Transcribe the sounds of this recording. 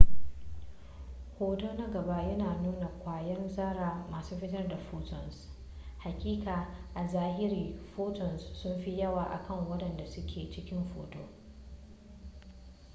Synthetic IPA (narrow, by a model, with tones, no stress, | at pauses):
hoː˦toː˦nɐ˦ɡɐ˨ba˦ʔjɐ˦naː˨nuː˦na˨kʷaː˨jɐ˦rzaː˦ɾaː˨maː˨suː˦ɸɪ˦tɐ˦rda˨ɸoː˦tɔ˨ns | ha˨kʲʼiː˦kʼaː˨ʔa˨zaː˦hɪ˦ɾiː˨ɸoː˦tɔ˨nsːʊ˦mɸi˦jɐ˦waː˨ʔa̰˨kɐ˦˨ŋwɐ˦ɗɐ˨nda˨sʊ˦kʲʰeː˨t͡ʃɪ˦kʲɪ˦mɸo̰ː˨to̰ː˦